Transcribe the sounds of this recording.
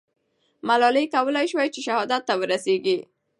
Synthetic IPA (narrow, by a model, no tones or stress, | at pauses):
malɑlejkawəlajʃwajt͡ʃeʃahɑd̪at̪ːawəɾaseɡi